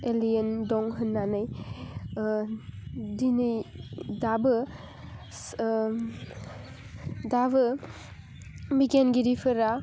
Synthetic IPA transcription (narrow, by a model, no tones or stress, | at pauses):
elijendɔŋɦɯnːanɯj | dinidabɯ | dabɯ | biɡenɡiɾipʰɯɾa